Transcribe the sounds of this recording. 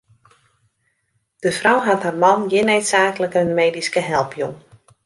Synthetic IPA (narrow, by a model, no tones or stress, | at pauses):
d̥əfrɔwɦatɦarmɑnjɪneɥtsaːkələkənmeːdiskəɦɛlˠpʰjuŋ